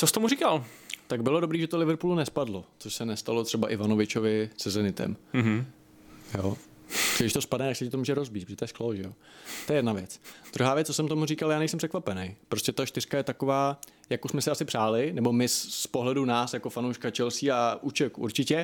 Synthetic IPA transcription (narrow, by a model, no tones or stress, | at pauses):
t͡sost̪omurikalt̪aɡbɪlo̞do̞bɾiːʒɛt̪olɪvɾpulunɛspadlot͡soʃsɛnɛst̪alo̞t̪r̥ɛbaʔɪvano̞vɪt͡ʃovɪsɛzɛnɪt̪ɛ̰m | jo | ɡdɪʃt̪o̞spadnɛt̪aksɛcɪt̪o̞muːʒɛɾo̞zbit̪pɾʒɛt̪jɛskloʒɛjot̪ojɛjɛdnavjɛt͡sd̪ɾuɦaːvjɛtt͡s̚ːosɛmt̪omurikaljaːnɛjsɛmpr̥ɛkvapɛnɛjpɾoscʲɛt̪aʃt̪ɪr̥kajɛt̪ako̞vaː | jakusmɛsɪasɪpr̥aːlɪnɛbo̞mɪsspo̞ɦlɛdunaːsjako̞fanowʃkat͡ʃɛlsiːaʔut͡ʃɛkṵɾt͡ʃɪcɛ